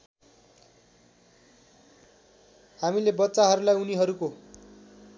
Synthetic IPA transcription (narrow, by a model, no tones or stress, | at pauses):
hamilebʌtːsaɦʌɾulajuniɦʌɾuko